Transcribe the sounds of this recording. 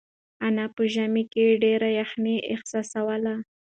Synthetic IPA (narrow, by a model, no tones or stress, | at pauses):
anapəʒamikeɖeɾajaxniʔɪ̰xsɑsawəla